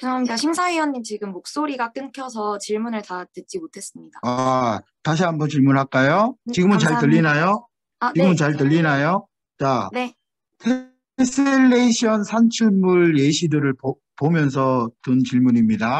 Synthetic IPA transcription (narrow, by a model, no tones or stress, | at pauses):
kɯɾʌamɲidaɕʰimsʰaijʌnɲːimt͡ɕiɡɯmːok̚s͈oɾiɡak͈ɯnkʰjʌsʰʌt͡ɕiɭmunɯɭtatɯt̚t͡ɕ͈imotʰe̞s͈ɯmɲidaataɕ̬ʰiɦambʌnt͡ɕiɭmunɦak͈ajot͡ɕiɡɯmɯnt͡ɕaɭtɯʎːinajo | aiɡɯmɯnt͡ɕaɭtɯʎːinajo | t͡ɕ͈ane̞ | tʰe | s͈ʰeelːeiɕʰʌnsʰant͡ɕʰumuɭjeɕʰidɯɾɯɭp | pomjʌns̬ʰʌtɯnt͡ɕiɭmuɲimɲida